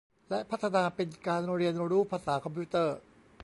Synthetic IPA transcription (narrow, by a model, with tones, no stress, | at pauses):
lɛ˦˥ʔpʰa˦˥t̪ʰːa˧naː˧pe˧nkaː˧nɾɾi˧əno˧ɾuː˦˥pʰaː˧saː˩˦kʰɔ˧mpʰuː˦˥t̪ɤː˥˩